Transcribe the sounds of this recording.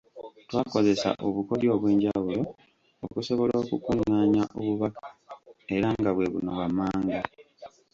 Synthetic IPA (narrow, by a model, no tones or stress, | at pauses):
twaːko̞ze̞sa̰ʔo̞βuko̞ljo̞ːβwe̞ːɲɟawulo̞ | okuso̞βo̞lo̞ːkukuŋːaːɲaʔoβuβakḁe̞ɾaŋɡaβwe̞βṵnoβwamːaːŋɡa